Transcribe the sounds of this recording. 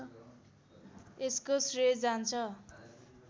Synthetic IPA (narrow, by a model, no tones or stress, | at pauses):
eskosred͡zant͡sʰʌ